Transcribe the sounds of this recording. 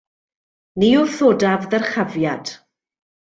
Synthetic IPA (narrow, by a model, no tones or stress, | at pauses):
niʊθoːdavðərχavjad̥